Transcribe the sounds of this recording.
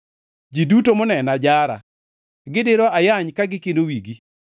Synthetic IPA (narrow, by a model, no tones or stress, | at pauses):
d͡ʒidutomonɛnad͡ʒaɾa̰ | ɡɪdɪɾɔajaɲkaɡɪkendowiɡi